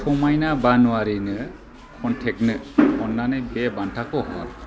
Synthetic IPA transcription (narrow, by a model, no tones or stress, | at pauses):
sʰɔmajnabanuaɾinɯ | kʰɔntʰɛk̚nɯɔnːanɯbɛbantʰakɔɦɔa̰